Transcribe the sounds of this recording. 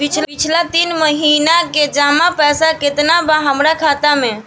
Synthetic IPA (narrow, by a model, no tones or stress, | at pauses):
bit͡ʃʰlbit͡ʃʰlat̪inməɦinaked͡ʒamapɛsaket̪nabaɦəmɾakʰat̪ame